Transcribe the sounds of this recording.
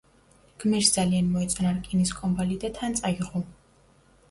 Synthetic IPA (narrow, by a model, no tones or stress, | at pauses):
ɡ̥mɛɾsd̪zalianmɔɛt̪sʼnaɾkʼiniskʼɔmbalid̪at̪ʰant̪sʼaiʁɔ